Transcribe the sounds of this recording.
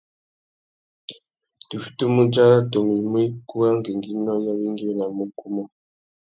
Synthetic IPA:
tu˨fi̥˦tu˦mu˦d͡ʒa˦ɾa˦to˨mi˨mwi˦ku˦a˦ŋɡi˨ŋɡi˦nɔ˦ja˦βi˦ŋɡi˦wɛ˦na˨mu˦ku˦mɔ˦

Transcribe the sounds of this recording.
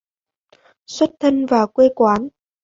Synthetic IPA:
swə˦˥t̚t̪ʰə˧nvaː˨˩kwe˧kwaː˨˦n

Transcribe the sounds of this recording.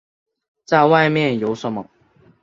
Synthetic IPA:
t͡sa˥˧ɪwa˥˧ɪmjɛ˥˨njo˧˥˦ʊʂə˨˦mə˨

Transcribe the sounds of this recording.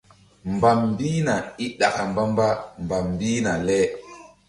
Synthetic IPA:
mba˨mbiː˦na˨i˦ɗa˨ka˨mba˦mba˦mba˨mbi˦na˨lɛ˦

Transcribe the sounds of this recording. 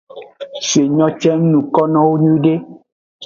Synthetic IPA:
si˨e˨ɲɔ̃˦t͡ʃɛ˦n̩˦nũ˨kɔ˦nɔ̃˦wo˦ɲũ˦ɖe˦

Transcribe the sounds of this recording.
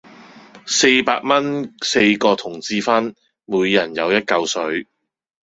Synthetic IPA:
se˧jpa̰ː˧k̚mɐ˥nse˧jkɔː˧t̪ʰʊ˨˩ŋt͡siː˧fɐ˥n | muː˨˧jːɐ˨˩njɐ˨˧wjɐ˥t̚kɐ˧wsɵ˨˥ɥ

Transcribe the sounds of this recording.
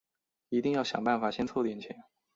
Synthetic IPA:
i˧˥t̪i˥˧ŋjɑ˥˩ʊɕjɑ̰˨˩ŋpa˥˩nfa˨˩ɕjɛ˥nt͡sʰwɔ˥˧ʊt̪jɛ˥˩nt͡ɕʰjɛ̰˨˥˦

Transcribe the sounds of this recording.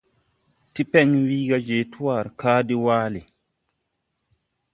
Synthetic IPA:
ti˦pɛ˦nwiː˦ɡa˦d͡ʒe˨tʰu˦wa˦˨ɾkaː˦di˦waː˦li˨

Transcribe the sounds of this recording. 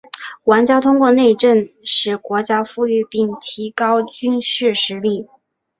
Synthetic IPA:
wa˧˥nt͡ɕjɑ˥t̪ʰʊ˥ŋkwɔ˥˧ne˥˧ɪʈ͡ʂə˥˩nʂɻ̩˨˩kwɔ˧˥t͡ɕja˥fu˥˧y˥˧pi˥˩ŋt̪ʰi˧˥kɑ˥ʊt͡ɕy˥nʂɻ̩˥˩ʂɻ̩˧˥li˥˩

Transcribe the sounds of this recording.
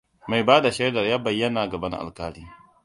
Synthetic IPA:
ma˨jbaː˦da˨ʃɛ˦dɐ˨rjaː˦bɐ˨jːɐ˦naː˨ɡɐ˨bɐ˦ŋʔa̰˨lkaː˦ɽiː˦

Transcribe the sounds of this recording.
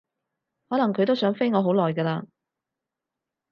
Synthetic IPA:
hɔː˨˥nɐ˨˩ŋkʰɵ˨˧t̪o˥wsœː˨˥ŋfe˥jŋɔː˨˧˥ɦo˨˥wlɔː˨˩jɡɛː˧laː˧

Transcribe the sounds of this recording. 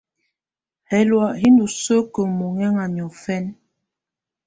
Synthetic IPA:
hɛ˨˦lwa˨ɦi˦ndu˨sə˦kə˨mu˨ŋɛ˦ŋa˨ɲjɔ˨fɛ˦n

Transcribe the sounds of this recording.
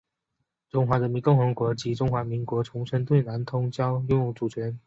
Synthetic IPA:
ʈ͡ʂʊ˥ŋxwa˧˥ɻə˧˦nmi˧˥nkʊ˥˩ŋxɤ˧˥ŋkwɔ˧˥t͡ɕi˧˥ʈ͡ʂʊ˥ŋxwa˧˥mi˧˥ŋkwɔ˧˥ʈ͡ʂʰʊ˧˥ŋʂʰə˥nt̪̬we˥˩ɪna˧˥nt̪ʰʊ˥ŋt͡ɕjɑ˥ʊjʊ˥˧ŋjʊ˥˩ŋʈ͡ʂu˨˩t͡ɕʰɥɛ˧˥n

